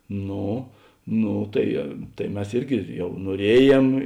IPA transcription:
ˈnoː ˈnoː tɐɪ ˈtɐɪ ˈmʲɛs ˈɪrʲɡʲɪ ˈjɛʊ nuɔˈrʲiɛˌjeːm

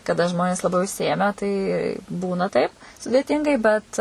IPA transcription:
kɐˈdɐ ˈʒmoːnʲeːs lˠɐˈbɐɪ ʊʃʲsʲɪˈeːmʲæː tɐɪ ˈbuːnɐ ˈtɐɪp sʊdʲeːˈtʲiːŋɡɐɪ bʲɛt

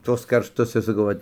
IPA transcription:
ˈtuɔs kɐrʃˈtʊs ɪr sɐˈkɐʊ ˈʋɐt

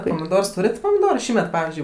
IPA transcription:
poːmʲɪˈdoːrs ˈtuːrʲɛtʲ poːmʲɪˈdoːrʊ ˈʃʲiːmʲɛt ˈpɑːʋʲɪzʲd͡ʒʲʊɪ

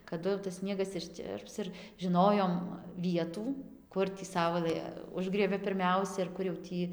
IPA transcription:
kɐˈdʊ jɛʊ tɐs ˈsʲnʲiɛɡɐs ɪʃʲˈt͡ʃʲɪrps ɪr ʒʲɪˈnoːjoːm ˈʋʲiɛtuː ˈkʊr tʲiː ˈsɐʊlˠɘ ˈʊʒɡrʲiɛbʲɛ pʲɪrʲˈmʲɛʊsʲɛ ɪr ˈkʊr jɛʊ ˈtʲiː

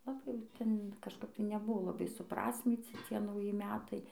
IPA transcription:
lˠɐˈbɐɪ jɛʊ ˈtʲɛn kɐʃˈkɐp tɐɪ nʲɛˈbʊʋoː lˠɐˈbɐɪ sʊˈprɑːsʲmʲiːt͡sʲɪ ˈt͡sʲiɛ nɐʊˈjɪ ˈmʲæːtɐɪ

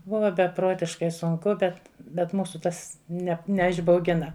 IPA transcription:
ˈbʊʋɐ bʲɛˈproːtʲɪʃkɐɪ sʊŋˈkʊ ˈbʲɛt bʲɛt ˈmuːsʊ ˈtɐs ˈnʲɛ nʲɛɪʒbɐʊˈɡʲɪnɐ

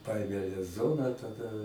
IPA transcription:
ˈpɐeːmʲeː lʲɛs ˈzoːnɑː tɐˈdɐ

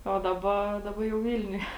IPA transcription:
oː ˈdɑːˌbɐ ˈdɑːˌbɐ jɛʊ ˈʋʲɪlʲnʲʊjɛ

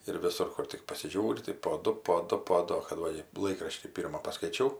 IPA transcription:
ɪr ʋʲɪˈsʊr ˈkʊr tʲɪk pɐsʲɪˈʒʲuːrʲɪ tɐɪ poː ˈdʊ poː ˈdʊ poː ˈdʊ oː kɐt ˈʋɐ ɪ ˈlˠɐɪkrɐʃʲtʲiː ˈpʲiːrmɐ pɐskɐɪˈt͡ʃʲɛʊ

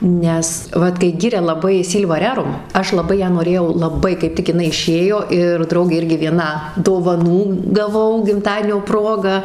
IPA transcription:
ˈnʲɛs ˈʋɐt kɐɪ ˈɡʲɪrʲɛ lˠɐˈbɐɪ ˈsʲiːlˠʋɐ ˈrʲæːrʊm ˈɐʃ lˠɐˈbɐɪ ˈjæː noːˈrʲeːjɛʊ lˠɐˈbɐɪ kɐɪp ˈtʲɪk ɪˈnɐɪ ɪˈʃʲeːjoː ɪr ˈdrɐʊɡʲeː ˈɪrʲɡʲɪ ʋʲiɛˈnɐ doːʋɐˈnuː ɡɐˈʋɐʊ ɡʲɪmˈtɑːdʲiɛnʲoː ˈproːɡɐ

